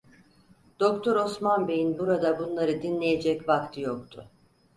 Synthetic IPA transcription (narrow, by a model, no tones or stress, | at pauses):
d̪̥o̞kt̪ʰoɾo̞smanbe̞jinbuɾad̪abunlˠaɾɯd̪inlʲe̞je̞d͡ʒɛcvakt̪ʰɯjokt̪ʰʊ̰